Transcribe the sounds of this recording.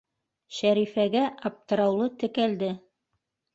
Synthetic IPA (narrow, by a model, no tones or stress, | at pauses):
ʃæɾifæɡæʔɑp̚t̪ɤ̆ɾɑwlˠɤt̪ɘ̆kæld̪ɘ